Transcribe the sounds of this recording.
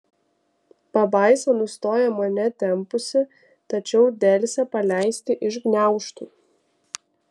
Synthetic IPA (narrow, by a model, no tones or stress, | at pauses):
pɐbɑˑɪsonʊst̪oːjɛmɐnʲɛt̪ʲɛmpʊsʲɪ | t̪ɐt͡ʃʲɛʊd̪ʲɛlʲsʲɛpɐlʲæˑɪsʲt̪ʲɪʔɪʃɡnʲæˑʊʃt̪uː